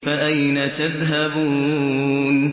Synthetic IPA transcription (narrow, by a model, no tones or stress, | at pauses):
faʔajnat̪aðɦabuː | n